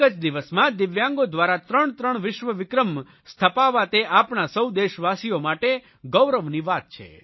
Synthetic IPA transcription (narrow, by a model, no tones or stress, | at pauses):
ət͡ʃd̪iʋəsmãd̪ɪʋjãŋɡod̪ʋaɾat̪ɾəɳt̪ɾəɳʋɪʃʋəʋɪkɾəm | st̪ʰəpaʋat̪eʔapɳasəwd̪eʃʋasijomaʈe | ɡəwɾəʋniʋat̪̚t͡ʃʰḛ